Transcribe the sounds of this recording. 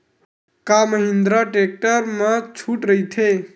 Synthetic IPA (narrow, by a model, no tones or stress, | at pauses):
kaməɦind̪ɾɔʈek̚ʈəɾmẽt͡ʃʰuʈɾəit̪ʰe